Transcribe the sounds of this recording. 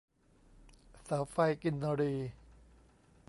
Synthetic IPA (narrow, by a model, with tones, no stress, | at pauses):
saː˩˦wfa˧jki˧nːa˧ɾiː˧